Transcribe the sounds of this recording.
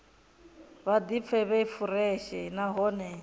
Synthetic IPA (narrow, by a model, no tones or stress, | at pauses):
βad̪ip̪fʰɛβɛifuɾɛʃɛnaɦɔːnɛ